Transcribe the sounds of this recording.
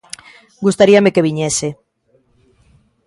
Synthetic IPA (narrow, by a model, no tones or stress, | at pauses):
ɡust̪aɾiamekeβ̞iɲɛse